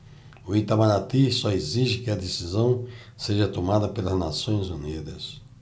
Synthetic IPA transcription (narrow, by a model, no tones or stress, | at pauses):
ʊit̪amanat̪isɔeziʒɪkɪɐd̪esizɐ̃w̃ | seʒɐt̪omad̪ɐpelɐzna̰sõj̃zunid̪ɐs